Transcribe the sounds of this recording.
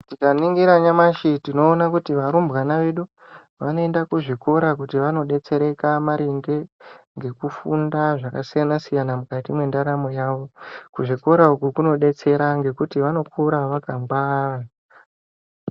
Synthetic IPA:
tikaniŋɡiɾaɲamaʃitino̞ːnakutiʋaɾumbɣanaʋeɗu | ʋano̞endakuʐiko̞ɾakutiʋano̞ɗe̞t͡se̞ɾe̞kamaɾiŋɡe̞ŋɡe̞kufundaʐakasijanasijanamukatimwe̞ndaɾamo̞jaːʋo̞kuʐiko̞ɾaukukuno̞ɗe̞t͡se̞ɾaŋɡe̞kutiʋano̞kʰuɾaʋakamɡwara

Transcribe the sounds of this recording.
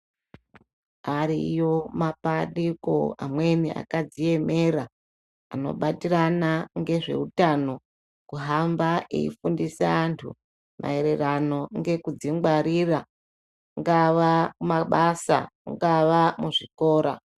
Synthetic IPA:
aɾijo̞mapaɗiko̞̰a̰mwe̞niʔa̰kad͡zie̞me̞ra | ano̞̰ɓatiranaŋɡe̞ʐe̞̰utano̞ | kuɦambaʔḛḭfundisaːntʰṵ | mʔa̰e̞ɾe̞rano̞ŋɡe̞kud͡ziŋɡwaɾira | ŋɡaʋaumaɓasa̰ŋɡaʋamuʐiko̞ːɾa̰

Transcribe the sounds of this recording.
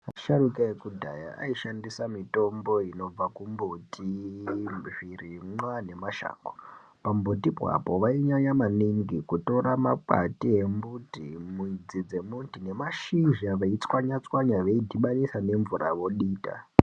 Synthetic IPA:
aʃarukaekudʱa̰ja̰a̰iʃandisamito̞mbo̞ino̞b͡vakumbutʰi | ʐirimwane̞maʃa̰ːkɡo | pambutipwa̰po̞ʋaiɲaɲamaniŋɡikuto̞ɾamaka̰tiɦembutimuid͡zid͡ze̞muntine̞maʃinʒaʋait͡swaɲat͡swaɲaʋeidʱiɓanisane̞ɱvuɾa̰ʋo̞ɗiːta̰

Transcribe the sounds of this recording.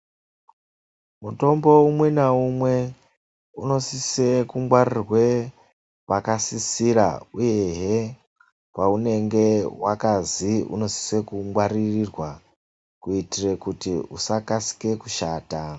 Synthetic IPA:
muto̞mbo̞umwe̞naumwe̞ | uno̞sise̞kuŋɡwarirwe̞ | pakasisiɾa̰uje̞ɦe | paune̞ŋɡe̞wakaziṵno̞si̥sekuŋɡwaɾirirwa | kuitire̞kutiṵsakasi̥ke̞kuʃaːta

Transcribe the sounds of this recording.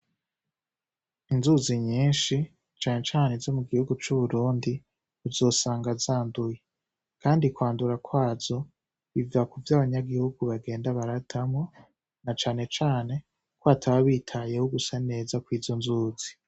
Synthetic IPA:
inzuziɲiːnʃi | t͡ʃaːne̞t͡ʃaːnezo̞muɡihuɡut͡ʃuβuɾuːndi | uzo̞ːsaːŋɡazaːnduje | kaːndikwaːnduɾakwaːz̥o̞ | βivakuvjaβaɲaɡihuɡuβaɡe̞ːndaβaɾatʰamŋo̞ | nat͡ʃaːne̞t͡ʃaːne̞ | kwaːtʰaβaβiːtʰaje̞huɡusane̞ːzakwiːzo̞nzuːz̥i̥

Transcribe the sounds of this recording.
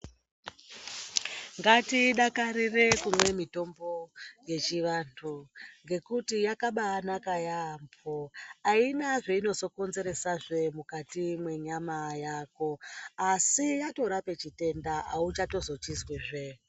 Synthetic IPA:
ŋɡatiɗakaɾire̞kumwe̞mito̞mbo̞je̞t͡ʃiʋantʰuŋɡe̞kutijakaɓanakajamboainaʐeino̞zo̞ko̞nze̞ɾe̞saʐe̞mukatimwe̞ɲamajako̞asijato̞ɾape̞t͡ʃite̞ndaʔaut͡ʃato̞zo̞t͡ʃiswiʐe

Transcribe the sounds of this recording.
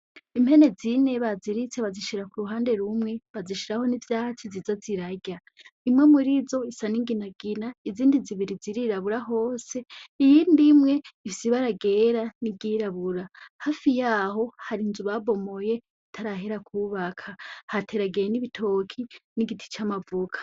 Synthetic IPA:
imhe̞ne̞zine̞βaziɾit͡seβaziʃiɾakuɾuɦaːnde̞ɾumŋe̞βaziʃiɾaho̞nivjaːt͡sizizaziɾaɟa | imwe̞muɾizo̞isaniŋɡinaɡ̥inaiziːndiziβiɾiziɾiɾaβuɾaɦo̞ːse̞ijiːndimŋe̞iisiβaɾaɡe̞ɾanibɟiɾaβuɾahaːfijaːho̞haɾinzuβabo̞mo̞je̞ | itʰaɾaɦeɾakʰuβakʰahatʰe̞ɾaɡejniβitʰo̞kʰiniɡitʰi̥t͡ʃamavukʰḁ

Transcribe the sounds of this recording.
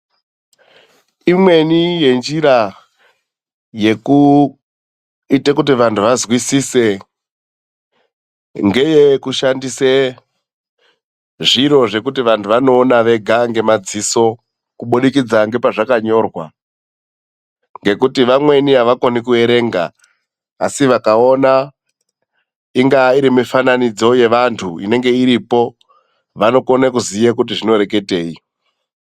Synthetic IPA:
imwe̞nije̞nd͡ʒiɾa | je̞ku | itekutiʋantʰuʋazwisise̞ | ŋɡe̞je̞kuʃandise | ʐiɾo̞ʐe̞kutiʋantʰuʋano̞ːnaʋe̞ɡʱaŋɡe̞mad͡ziso̞ | kuɓuɗikid͡zaŋɡe̞paʐakaɲo̞ːrwa | ŋɡe̞kutiʋamwe̞niaʋako̞nikue̞ɾe̞ŋɡa̰ː | siʋakaona | iŋɡaiɾimifananid͡zo̞je̞ʋantʰuḭne̞ŋɡe̞iɾipo̞ | ʋano̞konekuzijekut̬iʐino̞ɾe̞ke̞te̞ːi

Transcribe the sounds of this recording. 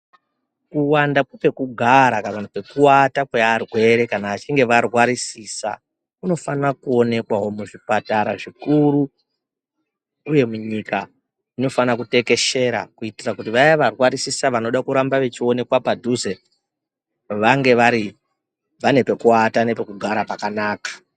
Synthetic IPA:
kuwandakupe̞kuɡʱaɾakaanpe̞kuwatakwearwe̞ɾe̞kanaʋat͡ʃiŋɡe̞ʋarwaɾisisa̰ | uno̞fanrakuo̞ne̞kwawo̞muʐipataɾa̰ʐikuɾu | je̞muɲika | ino̞fanakute̞ke̞ʃe̞ɾa̰kuitirakutiʋajeʋarwaɾisisaʋano̞ɗakuɾambaʋe̞t͡ʃio̞ne̞kwapadʱuze̞f | ʋaŋɡe̞ʋaɾi | ʋane̞pe̞kuatane̞pe̞kuɡʱaɾapakanaːkḁ

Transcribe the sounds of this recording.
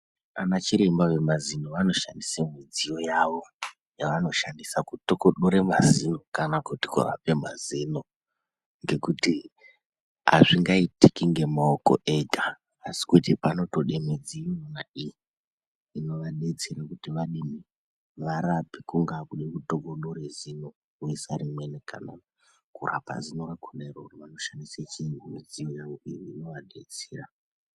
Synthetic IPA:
a̰nat͡ʃiɾe̞mbaʋe̞mazinoʋano̞ʃandisemwid͡zijo̞jaʋo̞ | jaʋano̞ʃandisakutokoɗoɾemazinokanakuti̥kṵʋa̰pe̞maziːno | ŋɡe̞kuti | a̰ʐiŋɡaitikiŋɡe̞maoko̰ʔeɡʱaː | si̥kutepano̞toɗemid͡zijoonaijiː | no̞ʋaɗe̞t͡seɾakutiʋaɗini | ʋaɾapi̥kuŋɡakuɗekutoɡoɗoɾezino | wesaɾimweneka̰na̰ | kura̰pa̰zinorakʰuneɾoriʋano̞ʃandiset͡ʃinumid͡zijojaʋoiriino̞ʋaɗe̞̰t͡siːɾa

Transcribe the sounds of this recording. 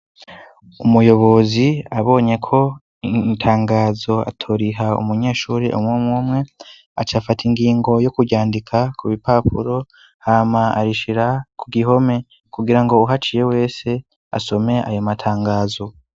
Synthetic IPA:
umujo̞βo̞ziaβo̞ːɲe̞kʰo̞ | itʰaːŋɡaːzo̞a̰tʰoɾiɦaṵmuɲe̞ːʃuːɾiʔo̰mumŋuːmŋe̞ | at͡ʃafatʰiŋɡiːŋɡo̞jo̞kuɾɟaːndikʰakʰuβipapʰṵɾo̞ | haːmaa̰ɾiʃiɾakʰuɡiɦo̞me̞ | kuɡiɾaŋɡo̞uɦat͡ʃije̞we̞ːse̞ | a̰so̞me̞ʔa̰jo̞matʰaːŋɡaːzo̞

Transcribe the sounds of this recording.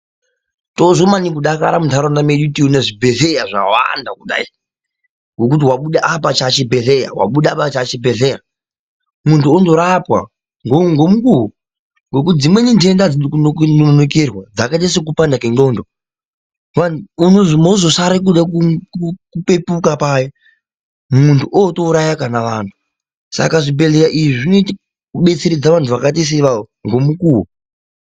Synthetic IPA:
tozomanikuɗaka̰ɾamuntʰuaɾonameɗukutiuneʐibʱe̞ɮejaʐa̰wa̰ndakuɗa̰ːi | ŋɡo̞k̬ut̬iwaɓuɗaʔapat͡ʃat͡ʃibʱeɮeja̰wa̰ɓuɗaːpat͡ʃat͡ʃibʱe̞ɮera | muntʰuondoɾapwa̰ | ŋɡoŋɡomukuo | ŋɡo̞kutid͡zimwenindendad͡zikunononekerwad͡zakatesek̬upandakeŋɡoːndo | ʋanuːnozmozosaɾek̬uɗakukupe̞pukapaje | muntʰuʔotouɾajakanaʋaːntʰu̥ | sa̰kaʐibe̞ɮejaʔijiʐinoiti | uɓe̞t͡seɾed͡zaʋantʰuʋakates̬eʋao | ŋɡo̞mukuːwo

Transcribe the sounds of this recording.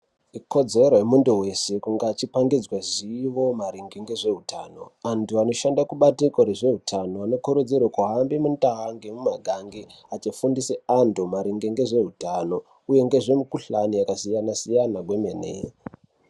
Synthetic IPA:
iko̞d͡ze̞ɾojemundowe̞se̞kuŋɡat͡ʃipaŋɡid͡zwaʐiʋo̞maɾiŋɡeŋɡe̞ʐe̞ɦutʰa̰no̞̰antuano̞ʃandakuɓatiko̞ɾeʐe̞ɦutʰano̞ano̞kuɾud͡zirwakuɦambimundaɦaŋɡemumaɡʱaŋɡe | at͡ʃefundiseandomaɾiŋɡeŋɡe̞ʐe̞ɦutano̞ | uje̞ŋɡe̞ʐe̞mikuɬanijakasijanasijanaɡʱwe̞menḛ

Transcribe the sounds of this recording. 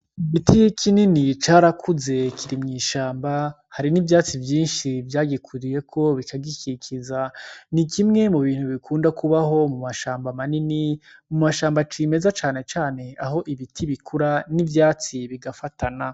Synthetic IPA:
iɡitʰikʰininit͡ʃaːɾakʰuze̞kʰiɾimŋiːʃaːmba | haɾinivjaːt͡sivjiːnʃivjaːɡikʰuɾije̞kʰo̞βikaɡikikʰizanikimŋe̞muβiːn̥huβikʰuːndakuβaɦo̞mumaʃaːmbamaninimumaʃaːmbat͡ʃime̞zat͡ʃaːne̞t͡ʃaːne̞aɦo̞ʔiβitʰiβikʰuɾanivjaːt͡siβiɡafatana

